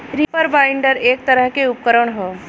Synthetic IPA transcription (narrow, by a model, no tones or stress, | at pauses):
ɾipəɾbajɳɖəɾek̚t̪əɾəɦkeup̚kəɾəɳɦɔː